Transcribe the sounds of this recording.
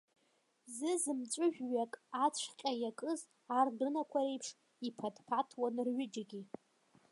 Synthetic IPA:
zɨzɨmt͡ʃʷʼʊʒᶣɥakʼat͡ɕʷʰqʲʼajakʼɨz | ardɨnakʷʰaɾe̞jpʰʂ | ipʰadpʰatʰwanrɥɪd͡ʒaɡʲi

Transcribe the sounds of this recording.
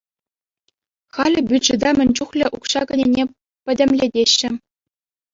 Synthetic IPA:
χɑlʲɘ̆bʲyʐɘ̆d̪ɑmʲɘ̆nʲt͡ɕuχlʲɘ̆ʔukɕɑkɤ̆nʲenʲe | pʲɘ̆dʲɘ̆mʲlʲedʲeɕːɘ̆

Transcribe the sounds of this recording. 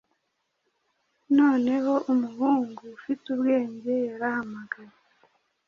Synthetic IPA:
no̞ːne̞ho̞ʔumuhuːŋɡufituβɡe̞ːɲɟe̞jaɾahamaɡaje

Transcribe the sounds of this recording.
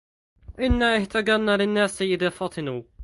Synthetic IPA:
ʔɪnːaʔɪht̪aɡanalɪnːaːsajɪd̪afɑt̪ˤʰɨnuː

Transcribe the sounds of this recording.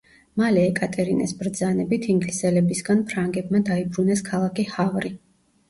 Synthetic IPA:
malɛːkʼat̪ʼɛɾinɛsbɾd̪zanɛbit̪ʰiŋɡlisɛlɛbisɡanpʰɾaŋɡɛb̚mad̪aibɾunɛskʰalˠakʰihavɾi

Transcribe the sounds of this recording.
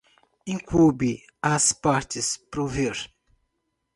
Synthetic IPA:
ĩŋkʰubi | aspaɾt̪ɪspɾoveɾ

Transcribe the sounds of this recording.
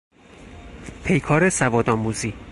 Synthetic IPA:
pʰe̞jkʰɒːɾesævɒːd̪ɒːmuziː

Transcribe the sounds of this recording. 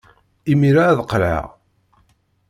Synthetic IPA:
imiɾaðqɾa̰

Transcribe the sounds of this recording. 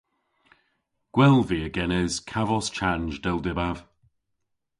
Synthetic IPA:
ɡ̥wɛlˠviəɡɛnɪz̥kʰavɔst͡ʃʰanʒdɛlˠdɪbav̥

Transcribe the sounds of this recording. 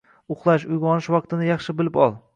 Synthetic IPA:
ʊχlˠaʃʊjʁɒnɪʃwɑq̚t̪ʰɪnɪjɑχʃɪbɪlɪpɒlˠ

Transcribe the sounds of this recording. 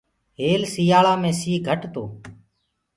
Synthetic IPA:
ɦeːlsijaːɭaːmẽːsiːɡʱəʈt̪oː

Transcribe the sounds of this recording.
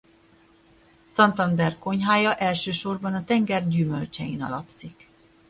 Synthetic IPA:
sɒnt̪ɒnd̪ɛrko̞ɲɦaːjɒʔɛlʃøːʃo̞rbɒnɒt̪ɛŋɡɛrɟyːmølt͡ʃɛjḭnɒ̰lɒ̰psik

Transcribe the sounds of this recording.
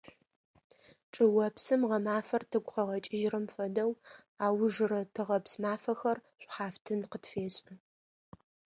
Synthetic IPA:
ʈ͡ʂʼɨwɐpsɨmʁɐmaːfɐrtʰɨɡʷʼχɐʁɐt͡ʃʼɪʒrɐmfɐdɐw | aːwʊʐɨrɐtʰɨʁɐpsmaːfɐxɐrɕʷʼħaːftʰɨnqətfeːɕʼɨ

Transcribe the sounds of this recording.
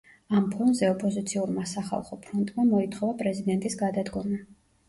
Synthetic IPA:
ampʰɔnzɛɔpʼɔzit̪sʰiuɾmasaχa̰lˠχɔpʰɾɔnt̪ʼmamɔit̪ʰχɔvapʼɾɛzid̪ɛnt̪ʼisɡad̪ad̪ɡɔma

